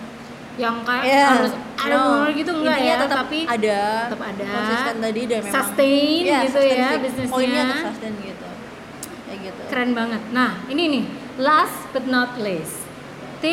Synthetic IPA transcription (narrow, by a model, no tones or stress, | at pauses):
jaŋkajaaaɾʊsaabunʊrɡit̪uŋɡaʔjaət̪əapiadaət̪əpadasasant̪adidamesast̪enɡit̪ujabisnɪsoiaɲaast̪enɡit̪u | jaɡit̪ukəɾɛnbaŋət̪̚nahinini | lasbət̪̚nɔt̪̚les | t̪i